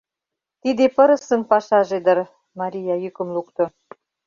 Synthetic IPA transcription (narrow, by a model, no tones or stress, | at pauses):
t̪id̪epə̆ɾə̆sə̆mpɑʃɑʒed̪ə̆r | mɑɾʲijɑjykə̆mlukt̪ŏ